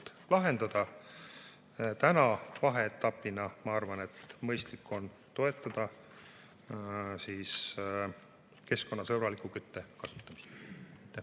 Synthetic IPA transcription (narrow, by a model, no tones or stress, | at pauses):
t̪lɑɦe̞nd̪̥ɑd̪̥ɑ | t̪ænɑvɑɦe̞et̪ːɑpːˑinɑmɑɑrvɑne̞t̪mɤjst̪likːˑo̞n | t̪o̞e̞t̪ːˑɑd̪̥ɑ | siːs | ke̞sko̞nːɑsɤɾɑlikˑukyt̪ːekɑsut̪ːˑɑmi̥st̪jt̪ːˑæ